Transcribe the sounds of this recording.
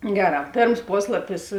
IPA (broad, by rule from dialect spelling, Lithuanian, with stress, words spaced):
ˈɡʲæːˌrɑː ˈpʲeːrms ˈpoːslˠɐpʲɪs